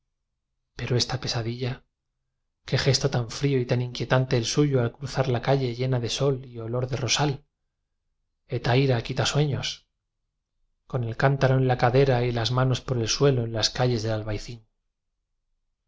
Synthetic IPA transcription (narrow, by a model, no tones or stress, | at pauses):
pe̞ɾoe̞st̪ape̞saðiʎa | ke̞xe̞st̪ot̪aɱfɾio̞it̪aniŋkje̞t̪ant̪eːlsuʝoalkɾuθaɾlakaʎe̞ʝe̞naðe̞so̞lio̞lo̞ɾðe̞ro̞sal | e̞t̪ajɾakit̪aswe̞ɲo̞s | ko̞ne̞lkant̪aɾo̞enlakaðe̞ɾailazmãno̞spo̞ɾe̞lswe̞lo̞enlaskaʎe̞zðe̞lalβajθin